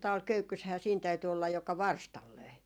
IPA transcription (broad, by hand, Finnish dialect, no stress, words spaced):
tɑʋ̆ɑl køykːyshæː siːn tæyty olːɑj jokɑ ʋɑrstɑl løi